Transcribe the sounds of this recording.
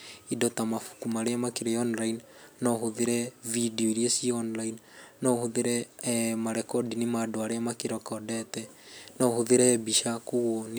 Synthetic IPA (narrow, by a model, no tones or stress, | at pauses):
idɔtamafu̥kumaɾeamakeɾɛɔnlainnɔhoðeɾɛvidioiɾiesiɔnlainnɔhoðeɾɛmaɾɛkɔdinimadoaɾeamakeɾɔkɔdɛtɛnɔhoðeɾɛbiʃakoɣone